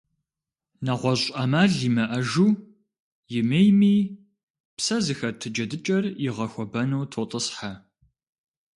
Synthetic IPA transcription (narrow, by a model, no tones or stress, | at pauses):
nɐʁʷɔɕʼɐmaːɮimɐʔɐʒuː | jɪmejmiː | psɐzɨxɐrtʰɨd͡ʒɐdɨt͡ʃʼɐrjɪʁɐxʷɔbɐnuwtʰotʼəsħa